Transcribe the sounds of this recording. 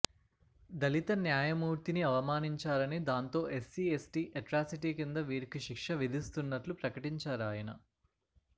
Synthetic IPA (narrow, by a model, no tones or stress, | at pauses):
d̪ɐlit̪ɐnjaːjɐmuːɾt̪iniɐʋɐmaːniɲt͡ʃaːɾɐnid̪aːnt̪o̞ːʔesːiːesʈiːʔeʈɾaːsiʈiːkind̪ɐʋiːɾikiʃikʂɐʋid̪ʱist̪unːɐʈlupɾɐkɐʈiɲt͡ʃaːɾaːjɐnɐ̰